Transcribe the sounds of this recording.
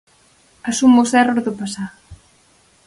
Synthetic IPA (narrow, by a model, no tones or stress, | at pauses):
asumosɛrozðʊpasa